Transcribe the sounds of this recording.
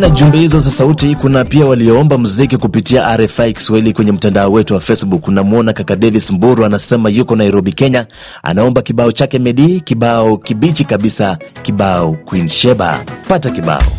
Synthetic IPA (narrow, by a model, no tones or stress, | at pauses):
naʄumbɛhizɔzasautikunapiawaliɔɔmbamuzikikupitiaʔaɾɛfaiki̥swahilikwɛɲɛm̩tandaɔwɛtuwafɛsɓukunamuɔnakakaɗɛvismbuɾuanasɛmajukɔnaiɾɔɓikɛɲa | a̰naɔmbakiɓaɔt͡ʃakɛmɛɗikiɓaɔkiɓit͡ʃikaɓisakiɓaɔkwinʃɛɓa̰patakiɓa̰ɔ̰